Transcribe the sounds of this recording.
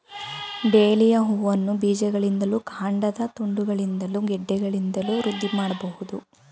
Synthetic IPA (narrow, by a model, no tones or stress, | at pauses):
ɖeːlijɐɦuːʋɐnːubiːd͡ʒɛɡɐɭind̪ɐlukʰaːɳɖɐd̪ɐt̪uɳɖuɡɐɭind̪ɐluɡɛɖːɛɡɐɭind̪ɐluɾud̪ʱːimaːɽɐbɐɦud̪u